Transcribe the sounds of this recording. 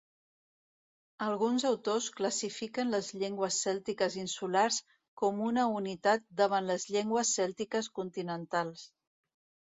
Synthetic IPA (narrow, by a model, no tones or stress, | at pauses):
əlˠɣunzəwt̪oskləsifikənləzʎeŋɡwəsːɛlˠt̪ikəzinsulars | kɔmunəunit̪at̪̚d̪əβ̞anləzʎeŋɡwəsːɛlˠt̪ikəskunt̪inənt̪alˠs